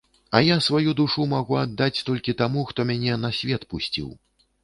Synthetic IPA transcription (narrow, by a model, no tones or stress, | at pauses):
ɐjasvajud̪uʂumaɣuad̪ːat͡sʲt̪ɔlʲkʲit̪amuxt̪ɔmʲanʲɛnɐsʲvʲɛt̪pusʲt͡sʲḭw